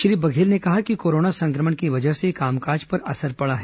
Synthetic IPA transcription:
ʃɾiːbɐɡʱeːlnekɐɦakikoːɾoːnasɐ̃ŋkɾəməɳkiʋɐd͡ʒəɦsekaːmkaːɾd͡ʒpɐɾɐsəɾpɐɽaɦɛː

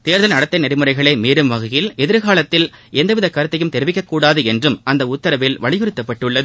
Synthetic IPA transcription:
t̪eːɾðɐlnɐɽɐt̪ːɐɪnɛɾɪmɯɾɐɪɣɐɭɐɪmeːɾɯmʋɐɣɐjɪlɛðɪɾɣaːlɐt̪ːɪlɛnd̪ɐʋɪðɐkːaːɾɯt̪ːɐjɯmt̪ɛɾɯʋɪkːɐkːuːɽaːðɯɛndrɯmɐnd̪ɐʊt̪ːɐɾɐʋɪlʋɐɭɪɣɯɾɯt̪ːɐpːɐʈːɯɭːɐðɯ

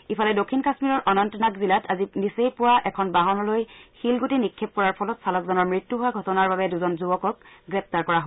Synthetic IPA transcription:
ipʰalɛdokʰːinkasmiɹɔɹʔɔnɔntɔnakzilatʰazinisejpʊwaʔɛkʰɔnbaɦɔnɔlojxilɡotinikʰːep̚kɔɹaɹpʰɔlɔtsalɔkzɔnɔɹmɹitːjuɦʊwaɡʱɔtɔnaɹbabɛduzɔnzubɔkɔk̚ɡɹɛp̚ʰtaɹkɔɹaɦo

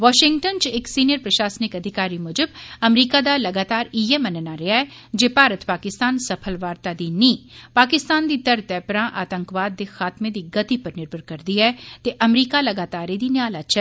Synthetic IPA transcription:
ʋɔːʃɪŋɡʈənt͡ʃɪksiːnijəɾpɾəʃaːsnɪkəd̪ʱɪkaːɾiːmʊd͡ʒəbəmɾiːkaːd̪aːləɡaːt̪aːɾiemənənaɾɪaɛː | d͡ʒeːpaːɾət̪paːkɪst̪aːnsəpʰəlʋaːɾt̪aːd̪iːniːpaːkɪst̪aːnd̪iːt̪əɾt̪ɛːpɾãːʔaːt̪ə̃ŋkʋaːd̪ːeːxaːt̪mẽːd̪iːɡət̪ipəɾnɪɾbʱənkəɾd̪iːɛːt̪eʔəmɾiːkaːləɡaːt̪aːɾed̪iːnɪaːlat͡ʃɛː

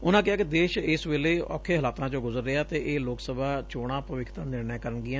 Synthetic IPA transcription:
ʊnãːkɪjaːkɪd̪eːʃɪsʋeːleːɔ̰ːkʰeːɦəlaːt̪ãːt͡ʃõːɡʊzəɾːɪaːt̪eːʔeːloːksəbaːt͡ʃoːɽ̃ãːpəʋɪkʰt̪ãːnɪɾnɛːkəɾənɡɪãː

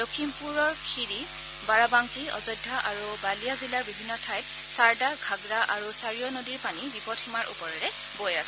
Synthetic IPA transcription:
dokʰimpuɹɔɹkʰiɹi | baɹabaŋkiɔ̰zɔjdʱːaʔaɹubalijazilaɹbibʱinːɔtʰajt | saɹdaɡʱaɡɹaʔaɹusaɹijɔnodiɹpanibipɔtʰimaɹʔṵpɔɹɛɹɛ | bojasɛ

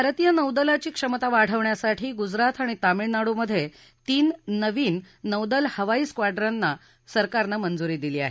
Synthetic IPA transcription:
bʱaɾt̪ijənəwd̪əlat͡ɕiːkʂəmt̪aʋaɽ̤əʋɳjasaʈʰiːɡud͡zɾat̪ʰaɽ̃it̪amiɭnaɽuməd̪ʱːje | t̪iːnːəʋiːnː | əwd̪əlhəʋaiːskʋaɖɾanːa | səɾkaɾnamənd͡zuɾiːd̪iliːa̰ɦe

